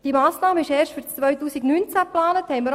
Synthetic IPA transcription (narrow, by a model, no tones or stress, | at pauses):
d̥imaːsnɑːməɪʃɛːʃtfyɾt͡sːʋœɥtuːsiɡnyːnt͡sæplɑːnəthɛɪməɾ